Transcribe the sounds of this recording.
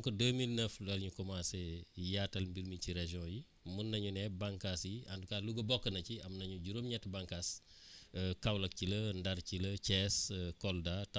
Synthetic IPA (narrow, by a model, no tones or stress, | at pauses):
ŋkɔdəmilnəfdɐlɲukɔmaːsɛjaːtɐlmbiɾmiciɾeʒjɔ̃ːji | munːɐɲunɛbaŋkasjiɐndukaːluɡɐbɔkːɐnɐciɐmnɐɲuɟuɾomɲɛtːɐbaŋkas | kɐwlɐk̚cilɐndɐɾcilɐcɛskɔldat